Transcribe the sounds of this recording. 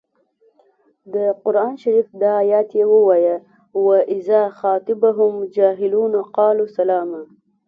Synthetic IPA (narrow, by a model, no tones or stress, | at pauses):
d̪əqʊɾɑːnʃaɾifd̪ɑːjɑt̪jewəwɑja | waʔɪzɑːxɑːt̪ɪbaɦʊmd͡ʒɑːɦɪluːnaqɑːlusalɑːma